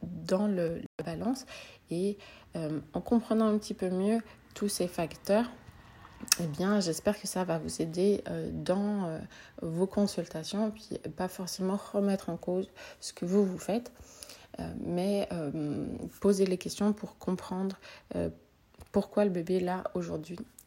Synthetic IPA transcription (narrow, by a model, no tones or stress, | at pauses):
d̪ɑ̃ləlabalɑ̃seøɑ̃kɔ̃pχənɑ̃ɛ̃pət̪ipømjø | t̪ʰusefakt̪œːʁ | ebjɛ̃ʒɛspɛʁkəsavavuzed̪eød̪ɑ̃øvokɔ̃sylt̪asjɔ̃pɥḭpafɔʁsemɑ̃ʁəmɛt̪χɑ̃kozsə̥kəvuvufɛt̪ | ø̰mɛø | pozelekʲɛst̪jɔ̃puʁkɔ̃pχɑ̃d̪ʁø̰ | puʁkwaləbebelaoʒuʁd̪ɥi